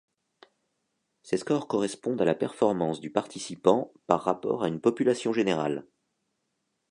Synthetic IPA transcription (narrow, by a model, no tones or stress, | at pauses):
seskɔʁkɔʁɛspɔ̃d̪alapɛʁfɔʁmɑ̃sd̪ypaʁt̪ʰisipɑ̃paʁːapɔ̰ʁaynpɔpylasjɔ̃ʒeneʁa̰l